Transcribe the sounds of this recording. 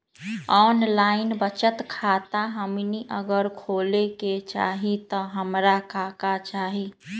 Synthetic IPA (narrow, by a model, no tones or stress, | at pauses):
ɔːnlaːɪnbət͡ʃət̪kʰat̪aɦəmniʔəɡəɾkʰoːleket͡ʃa̰ːɦit̪ɔɦəmɾakʰaːkat͡ʃaːɦi